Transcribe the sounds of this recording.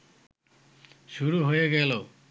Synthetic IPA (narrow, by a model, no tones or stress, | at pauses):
ʃuɾuɦojeɡɛlo